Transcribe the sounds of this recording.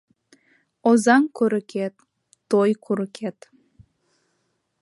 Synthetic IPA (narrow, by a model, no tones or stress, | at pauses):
ozɑŋkøɾə̆kʰet̪ː | ojkʰuɾə̆kʰet̪